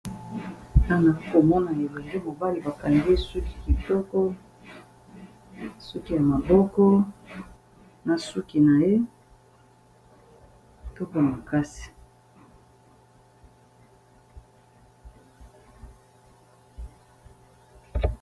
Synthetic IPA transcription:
a˦na˨˦ko˨mɔ˦na˨e˨lo˨ŋɡe˦mo˨ba˦li˨ba˨ka˨ŋɡi˦su˦ki̥˨ki˨tɔ˦kɔ˦ | su˦ki˦ja˨ma˨bɔ˦kɔ˦ | na˨su˦ki˨na˨je˦˨ | tɔ˦kɔ˦ja˨ma˨ka˦si̥˨

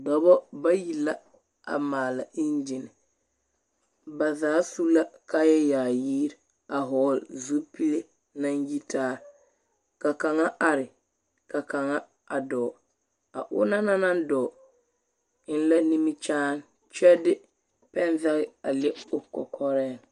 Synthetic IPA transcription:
dɔ˨bɔ˦ba˦ji˨la˦ | a̰˨maː˨la˨ʔi˦nd͡ʒɪ˨nɪ˨ | ba˨zaː˦su˦la˦ka˦jɛ˦jaː˨jiː˦ɾ | a˨ɦɔː˨˦lzu˦pi˦le˦ | na˦nji˦taː˦ | ka˨ka˨ŋa˦ʔa˨ɾɪ˨ | ka˨ka˨ŋa˦ | a˨dɔ˨ | a˨ʔʊ̰˦na˦na˦na˦ndɔː˨ | ɪ˦n˦la˦ni˦mi˦t͡ʃaː˦n | t͡ʃɛ˦dɪ˦ | pɛ˦n˦za˦ɣɪ˦a˨lɪ˦ʊ˨kɔ̰˨kʰɔ˦ɾɛː˦˨ŋ

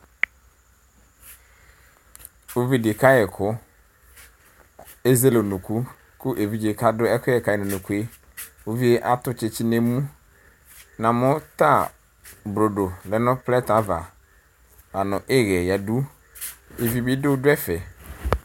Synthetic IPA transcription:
o˦vi˦˨dɪ˨ka˦jɛ˨kʰʊ˦ | e˦ze˦lo˨nũ˨ku˦ | kʊ˦ʔe˨vi˦d͡ʑe˨ka˦dʊ˦ɛ˦kʰʊ˦ɛ˨ka˨jɪ˨nʊ̃˨nũ˨ku˦e˦ | o˦vi˦e˦ʔa˦tʊ˨t͡ʃɪ˨t͡ʃɪ˦nẽ˦mũ˦ | nã˨mʊ̃˦ta˦˨ | bɾo˨do˨lɛ˨nʊ̃˦plɛ˦ta˨˦va̰˨ | ba˨nʊ̃˨ʔɪ˦ɣɛ˨ja˨du˦ | e˨vi˦bi˦dʊ˦dʊ˦ɛ˦fɛ˨

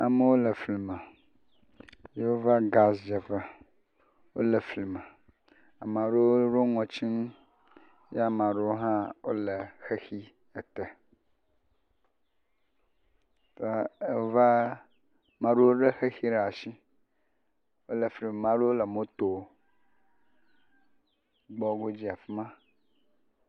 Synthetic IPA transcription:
a˨mə˦wo˦lə˨fli˨mə˨ | je˦wo˦va˦ɡa˨sd͡ʒə˨fə˦ | wo̰˦lə˨fli˨mə˨ | a˨m˨ã˨ɖo˦wo˦ɖo˦ŋɔ̃˨t͡ʃi˦n˦ | ja˦mã˨ɖe˦wo˦ɦã˦wo˦le˨xe˦xi˦ | ə˨t̪e˨ | t̪o˦a˦˨e˦wo˦va˦ | mã˨ɖe˦wo˦ɖe˦xe˦xi˦ɖa˨ʃi˦ | wo˦le˨fli˨m˨mã˦ɖo˦wo˦lə˨mõ˦t̪o˨ | ɡ͡bɔ˦ɡo˦d͡ʑi˦a˨fi˦mã˦

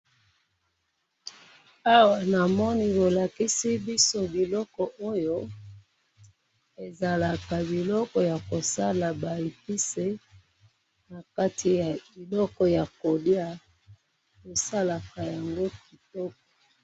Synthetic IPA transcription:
a˦wa˨na˨mɔ˦ni˦bo˨la˨ki˦si˦bi˦so˦bi˨lɔ˦kɔ˨ʔo˦jo˦ | e˨za˨la˨ka˨bi˨lɔ˦kɔ˨ja˨ko˨sa˦la˨ba˨i˨pi˦se˦ | na˨ka˦tʰi˨ja˨i˨lɔ˦kɔ˨ja˨ko˨di˦a˦ | ko˨sa˦la˨ka˨ja˨ŋɡo˦ki˨tɔ˦kɔ̥˨

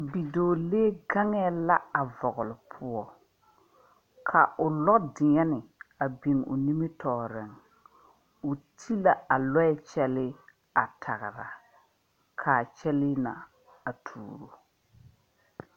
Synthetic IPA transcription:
bi˨doː˨leː˦ɡa˦ŋɛ˦la˦a˨vɔ˨ɣʊ˨lɪ˨pʰʊ˦ɔ˦ | kʰa˨ʔʊ˨lɔ˦dɪ˨ŋɛ˦nɪ˨a˨bi˨ŋʊ̰˨ni˦mi˦tʰɔː˨ɾɪ˨ŋ | ʊ˨tʰi˦la˨a˨lɔ˦ɛ˦t͡ʃɛ˦lɪ˦ | a˨tʰa̰˨ɣɪ˨ɾa̰˨ | kʰaː˨t͡ʃɛ˦lɪ˦na̰˨ | a˨tʰṵː˨ɾo˨

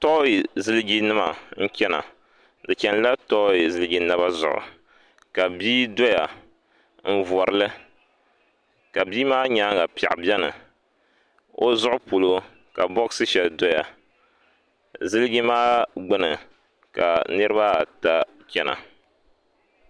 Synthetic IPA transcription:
tɔ˦ji˨zɨ˦lɨ˦ɡi˦nɨ˦ma˨ŋ̩˦kʲɛ˦na̰˨ | dɨ˨t͡ʃɛ˨n˦la˦tɔ˦ji˨zɨ˦lɨ˦ɡi˦na˦βa˦zʊ˨ʔʊ̰˨ | ka˨biː˦do˦ja˨ | m̩˦vɔ˨ɾɨ˦lɨ˦ | ka˨biː˦maː˦ɲa˦ŋɡa˨pi˨a̰˨ʔbɛ˦nɨ̰˨ | o˦zʊ˦ʔʊ˦pu˨lo˦ | ka˨bɔ˦ksɨ˦ʃɛ˨ldɔ˦ja˨ | zɨ˦lɨ˦ɡi˦maː˦ɡ͡bɨ˦nɨ˨ | ka̰˨nɨ˦ɾɨ˦ba˦˨ta˦ | t͡ʃʲɛ˦na̰˨

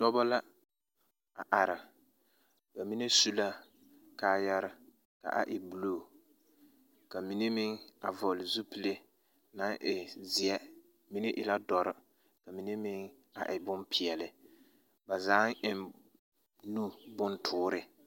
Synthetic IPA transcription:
d̥ɔ˦ba˦la˦ | a˨ʔa˨ɾɪ˨ | ba˨mi˦ne˦su˦la˦ | kaː˦ja˦ɾɪ˨ | ka̰˨ʔa̰˨ʔɪ˨bu˨loː˦˨ | ka˨mi˦ne˦mɪ˦ŋa˨vɔ˨lɪ˨zu˦pi˨le˦ | na˦ŋʔɪ˨zɪ˨ɛ˦ | mi˦ne˦ʔɪ˨la˦dɔ˨ɾɪ˨ | ka˨mi˨ne˦mɪ˦ŋ | a̰˨ʔɪ˨bʊ˦mpʰɪ˨ɛ˨lɪ˨ | ba˨zaː˨˦ŋ˦ɪ˨n | nu˦bʊ˦ntʰʊː˦ɾɪ˦

